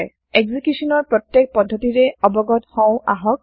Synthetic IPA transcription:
eɡzikjusɔnɔɹpɹɔtjek̚pɔdʱːɔtiɹɛɔbɔɡɔthɔ̃w̃aɦɔk̚

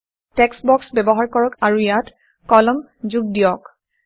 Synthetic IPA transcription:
tɛksbɔksbɛbɔɦaɹkɔɹɔkaɹujat | kɔlɔm | zuɡ̚dijɔk

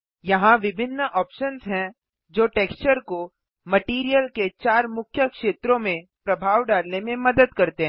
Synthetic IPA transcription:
jɐɦãʋɪbʱɪnːəʔɔːpʃənzɦɛ̃ | d͡ʒoːʈeːkst͡ʃəɾko | mɐʈiːɾijəlket͡ʃaːɾmʊkʰjəkʃeːt̪ɾõmẽpɾɐbʱaːʋɖaːlnemẽmɐd̪əd̪kɐɾt̪eɦɛ̃ː

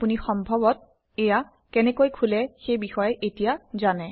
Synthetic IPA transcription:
punixɔmbʱɔbɔt̚ | eja | kɛnɛkojkʰulɛxejbixɔjɛʔetijazanɛ

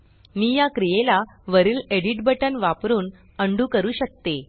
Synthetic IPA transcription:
nijakɾijelaʋəɾiːleɽiʈbəʈənʋapɾuːn | əɳɖuːkəɾuːɕək̚t̪e

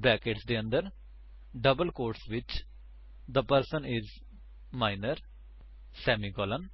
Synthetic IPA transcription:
bɾɛːkeʈsd̪eːə̃nd̪əɾ | ɖəbəlkoːɾʈsʋɪt͡ʃ | d̪əpəɾsə̃nɪz | maːɪnəɾ | sɛːmiɡɔːlə̃n

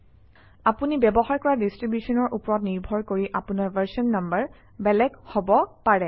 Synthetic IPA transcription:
apunibɛbɔxaɹkɔɹadistɹibjusɔnɔɹʔupɔɹɔt̚niɹbʱɔɹkoɹiʔapunaɹvəɹsɔnːambəɹ | bɛlɛɡhobɔpaɹɛ

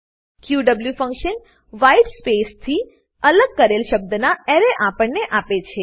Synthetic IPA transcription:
kjuɖəbljufə̃ŋkʃən | ʋaiɖspest̪ʰi | ələɡ̚kəɾelʃəb̚d̪ənaeɾeʔapəɳneʔapet͡ʃʰe

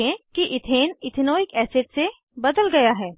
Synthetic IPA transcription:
ẽkiʔɪt̪ʰeːnɪt̪ʰɪnoːɪkɛːseʈse | bɐd̪əlɡɐjaɦɛː

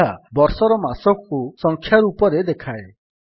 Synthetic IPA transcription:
abɔɾsɔɾɔmasɔkɔkusɔŋkʰjaɾupɔɾed̪ekʰae

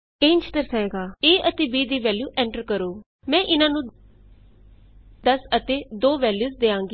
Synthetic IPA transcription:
ent͡ʃt̪əɾsəeːɡaːeːʔət̪eːbiːd̪iːʋɛːljuːʔɛ̃ːɳʈəɾkəɾoː | mɛ̃ːʔɪnãːnũː | d̪əsət̪eːd̪oːʋɛːljuːzd̪eːãːŋɡiː

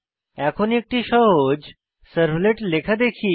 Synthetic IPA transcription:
ɛkʰonek̚ʈ̪iɕəɦod͡ʑ | səɾbleʈlekʰad̪ekʰiː

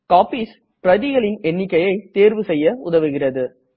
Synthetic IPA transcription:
kaːpiːs | pɾɐðɪɣɐɭɪnɛnːɪkːɐjɐɪt̪eːɾʋɯsɛjːɐʊðɐʋɯɣɪrɐðɯ

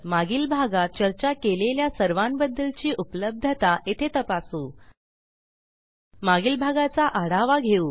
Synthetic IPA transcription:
maɡiːlbʱaɡat̪̚t͡ɕəɾt͡ɕakeleljasəɾʋambəd̪ːəlt͡ɕiːʔupləb̚d̪ʱət̪aʔet̪ʰet̪əpasuː | maɡiːlbʱaɡat͡saʔaɽ̤aʋaɡʱeuː

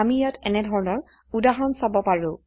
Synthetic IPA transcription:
amijatʰɛnɛdʱɔɹɔnɔɹ | udaɦɔnsabɔpaɹũ

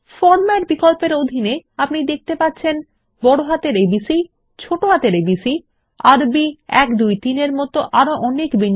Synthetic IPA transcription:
fɔɾmaɾbikolpeɾod̪ʱineapnid̪ek̚t̪epatːɕʰen | bɔɽoɦat̪eɾebisi | t͡ɕʰoʈoɦat̪eɾebisi | aɾbiɛkd̪ujt̪ineɾmɔt̪oʔaɾoʔɔnekben

